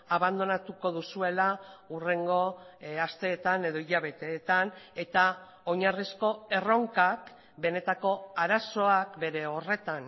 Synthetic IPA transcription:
aβand̪o̞nat̪uko̞ðusue̞laure̞ŋɡo̞ast̪e̞ːt̪ane̞ð̞o̞iʎaβe̞t̪e̞ːt̪ane̞t̪a | o̞ɲarisko̞e̞ro̞ŋkak | be̞ne̞t̪ako̞aɾaso̞akbe̞ɾe̞o̞re̞t̪an

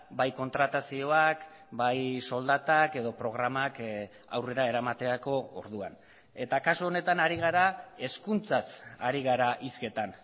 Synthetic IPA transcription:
bajko̞nt̪ɾat̪asio̞ak | bajso̞ld̪at̪ake̞ðo̞pɾo̞ɣ̞ɾamak | awre̞ɾae̞ɾamat̪e̞ako̞o̰ɾðua̰n | e̞t̪akasuo̞ne̞t̪anaɾiɣ̞aɾae̞skunt͡sasa̰ɾiɣ̞aɾaʔiske̞t̪an

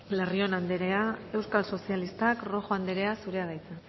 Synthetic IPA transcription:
lerio̞nand̪eɾeae̞wskalso̞sialist̪akro̞xoand̪eɾe̞asuɾe̞að̞ajt͡se

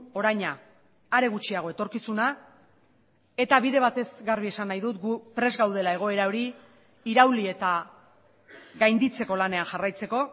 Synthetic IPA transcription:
o̞ɾajɲaː | ɾe̞ɣ̞ut͡ʃiaɣ̞o̞e̞t̪o̞ɾkisuna | e̞t̪aβiðe̞β̞at̪e̞zɣaɾβ̞ie̞sanːajðut̪ɡupɾe̞zɣawð̞e̞lae̞ɣ̞o̞e̞ɾao̞ɾi | iɾawlie̞t̪a | ɣajnd̪it͡se̞ko̞lane̞anʝarajt͡se̞ko̞

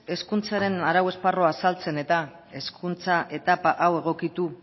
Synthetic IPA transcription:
e̞skunt͡saɾe̞naɾawe̞sparo̞asalt͡se̞ne̞t̪a | e̞skunt͡saʔe̞t̪apaʔawe̞ɣ̞o̞kit̪u

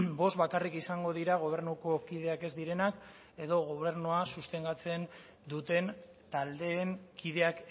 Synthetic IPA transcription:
bo̞sβakarikisaŋɡo̞ðiɾaɣ̞o̞β̞e̞ɾnuko̞kiðe̞ake̞zd̪iɾe̞nak | e̞ðo̞ɣ̞oβe̞ɾnuasust̪e̞nɡ̪at͡se̞n | d̪ut̪e̞n | t̪ald̪e̞ːŋkʰið̞e̞ak

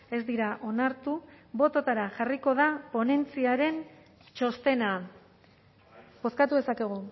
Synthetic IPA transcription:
e̞zd̪iɾaʔo̞naɾt̪uβo̞t̪o̞t̪aɾaʝariko̞ðapo̞ne̞nt͡siaɾe̞n | t͡ʃo̞st̪e̞na | bo̞skat̪uðe̞sake̞ɣ̞u

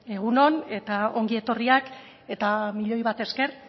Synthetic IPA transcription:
e̞ɣ̞uno̞ne̞t̪ao̞̰ŋɡie̞t̪o̞riak | e̞t̪amiʎo̞jβat̪e̞ske̞r

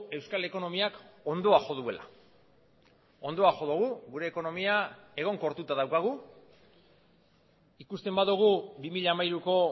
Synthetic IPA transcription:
e̞wskale̞ko̞no̞miako̞nd̪o̞axo̞ð̞ue̞la̰ | o̞nd̪o̞axo̞ð̞uɣuɣuɾe̞ːko̞no̞miae̞ɣ̞o̞ŋko̞ɾt̪ut̪að̞awkaɣ̞u | ikust̪e̞mbaðuɣ̞ubimiʎamajɾuko̞

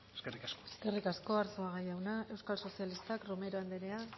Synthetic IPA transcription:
eskerikaskoe̥ske̞rikasko̞aɾt͡suaɣajawnae̞wskalso̞sialist̪akrome̞ɾoand̪eɾe̞a

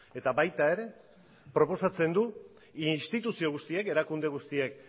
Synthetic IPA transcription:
e̞t̪aβajt̪ae̞ɾe̞ | pɾo̞po̞sat͡se̞nd̪u | inst̪it̪usio̞ɣ̞ust̪ieke̞ɾakund̪e̞ɣ̞ust̪iek

